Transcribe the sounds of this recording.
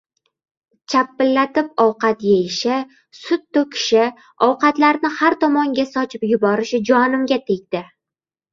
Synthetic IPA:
t͡ʃʰapːɪlːat̪ɪp̚ɒwqɑt̪jejɪʃɪ | sʊt̪ːʊkʲʰɪ̥ʃɪ | ɒwqɑt̪laɾnɪhaɾt̪ɒmɒŋɡʲasɒt͡ʃʰɪpjʊbɒɾɪʃɪd͡ʒɒnɪmɡʲat̪ʰeɡ̚ʲd̪̥ɪ

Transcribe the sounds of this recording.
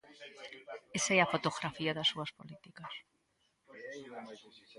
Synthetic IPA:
esaeafo̞t̪oɣɾafiaðasuaspo̞̰lit̪ikas

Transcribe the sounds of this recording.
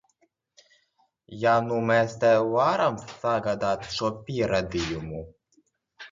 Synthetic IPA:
janumɛst̪ɛvaɾamsːaɡad̪aːt̪ʃuɔpʲiɛɾad̪ijumu

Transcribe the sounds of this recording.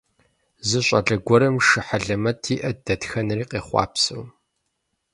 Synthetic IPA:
zɨɕʼɐɮɐɡʷɔɾɐmʂɨħaɮɐmɐtʰiːʔɐdɐtxɐnriːqeːχʷɑ̰ːpsɨw

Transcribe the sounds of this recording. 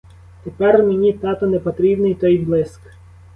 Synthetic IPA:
t̪epɛrmenʲit̪ɑt̪ɔnepɔt̪ɾʲibnɪjt̪ɔj̪blˠɪsk

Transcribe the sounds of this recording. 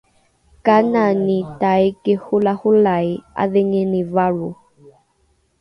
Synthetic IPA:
kananit̪ajkehulahulaja̰ðeŋenivaɾu

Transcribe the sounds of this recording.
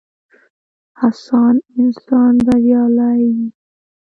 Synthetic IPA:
hasɑnɪnsɑnb̪aɾjɑlajji

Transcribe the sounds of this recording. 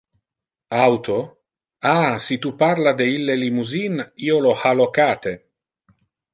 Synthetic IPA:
awt̪o | asit̪upaɾlad̪eilːelimuziniolohalokaːt̪e

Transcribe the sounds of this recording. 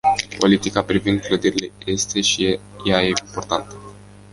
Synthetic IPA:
po̞lit̪ikapɾivind̪̚kləd̪iɾile̞je̞st̪e̞ʃijaje̞impo̞rt̪ant̪ə̥

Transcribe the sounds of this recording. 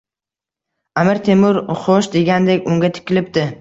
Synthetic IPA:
amɪɾt̪ʰemʊɾχoʃd̪e̞ɡʲand̪e̞kʲʊŋɡʲat̪ʰɪ̥kʲɪlɪp̚d̪ɪ

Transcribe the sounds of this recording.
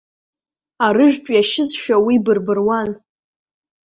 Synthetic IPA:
aɾɨʒᶣt͡ʃʼjaʃɪzʃᶣawibɨrbɨrwan

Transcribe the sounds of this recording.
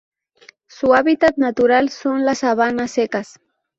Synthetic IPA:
sʊaβit̪at̪̚nat̪ʊɾalsʊnlasaβanasekas

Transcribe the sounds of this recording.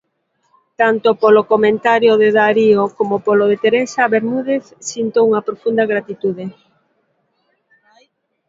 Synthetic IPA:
t̪ant̪opolokomẽnt̪aɾjoðeðaɾiokomopoloðet̪eɾesaβeɾmuðeθsint̪ouŋɐpɾofund̪ɐɣɾat̪it̪uðe

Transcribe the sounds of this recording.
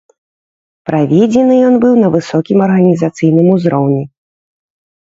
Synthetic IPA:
pɾavʲɛd͡zʲɛnɨjɔnbɨwnɐvɨsɔkʲimɐrɣɐnʲizat̪sɨjnɨmuzɾɔwnʲi

